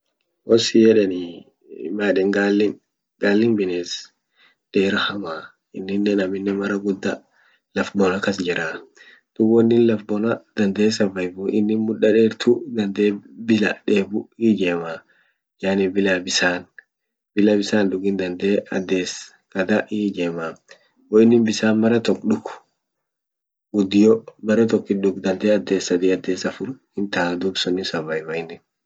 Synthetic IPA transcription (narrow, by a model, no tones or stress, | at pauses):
wɔsijɛɗɛnḭ | maɗɛŋɡalːɪn | ɡalːɪnbɪneːs | d̥eːɾahama | ɪnːɪnːɛnɐmɪnːɛmɐɾɐɡud̪ːɐ | lɐfbɔnakɐsd͡ʒɛɾaː | d̪̥uɡɔnːɪnlɐfbɔnad̪̥ɐnd̪eːsɐvɐjbuʔɪnːɪmʊɗɐɗɛɾt̪ʰud̪ɐnd̪ebɪla̰ɗeːbuid͡ʒeːmaː | jaːnɪbɪlabɪsaːn | bɪlabɪsaːnd̪ʊɡɪnd̪ɐnd̪eːɐ̰d̪eːs | kɐd̪aʔid͡ʒeːmaː | ɔɪnːɪnbɪsaːnmɐɾɐt̪ɔkɗʊk | ɡʊd̪ɪjɔbɐɾɛt̪ɔkːɪɗʊkd̪ɐnd̪eːɐd̪eːsɐd̪iɐd̪eːsɐfʊɾ | ɪnt̪aːd̪ubsɔnːɪsɐvɐjbɐɪnːɪn